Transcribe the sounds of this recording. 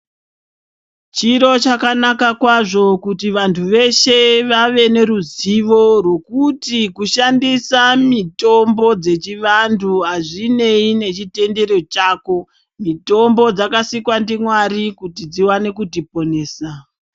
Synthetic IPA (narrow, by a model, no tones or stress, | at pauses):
t͡ʃiɾo̞t͡ʃakanakakwaʐo̞kutiʋantʰuʋe̞ʃe̞ʋaʋe̞ne̞ɾuziʋo̞rwe̞kutikuʃandisamito̞mbo̞d͡ze̞t͡ʃiʋantʰuɦaʐine̞ine̞t͡ʃite̞nde̞ɾo̞t͡ʃaːko̞ | mito̞mbo̞d͡zakasikwandimwaɾikutid͡ziwane̞kutipo̞ne̞ːsa